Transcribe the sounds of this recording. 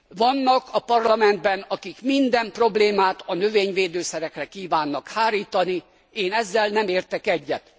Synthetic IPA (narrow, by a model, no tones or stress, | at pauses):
vɒnːɒkɒpɒrlɒmɛnd̪̚bɛnɒkikmind̪ɛmpro̞bleːmaːt̪ɒnøveːɲveːd̪øːsɛɾɛkrɛkiːvaːnːɒkhaːɾiːt̪ɒni | eːnɛzːɛlnɛmeːrt̪ɛkɛɟːɛt̪